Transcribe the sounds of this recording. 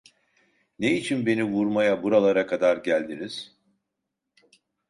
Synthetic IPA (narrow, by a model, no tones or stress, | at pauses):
neit͡ʃʰinbe̞nivuɾmajabuɾalˠaɾakʰad̪aɾɟælʲd̪iniz̥